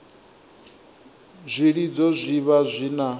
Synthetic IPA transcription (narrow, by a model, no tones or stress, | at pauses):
zʷiɺid͡zɔzʷiβazʷina